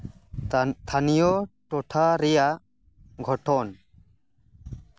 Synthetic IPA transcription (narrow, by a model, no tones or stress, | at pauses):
t̪ʰanijɔʈɔʈʰaɾɛja | ɡʱɔʈʰɔn